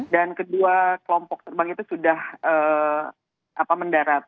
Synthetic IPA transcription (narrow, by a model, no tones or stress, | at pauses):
dankəduakəlɔmpɔk̚t̪ərbaŋit̪usudahəː | ʔapaməndaɾat̪̚